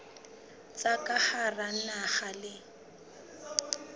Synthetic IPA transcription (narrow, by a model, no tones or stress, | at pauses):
t͡sakʼaχaran̩naχalɪ